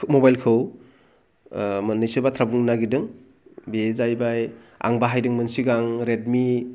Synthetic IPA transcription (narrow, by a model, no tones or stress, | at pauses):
mobajlkʰɯw | mnːɯjsɯbatʰɾabuŋnaɡidɯŋ | bezajbaj | a̰ŋbaɦajdɯŋmɯnsiɡaŋɾed̚mi